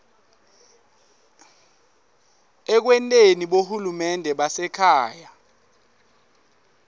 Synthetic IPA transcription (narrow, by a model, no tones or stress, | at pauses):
ɛk̬wɛntʼeniɓohulumɛndʱɛɓasɛkʰaːja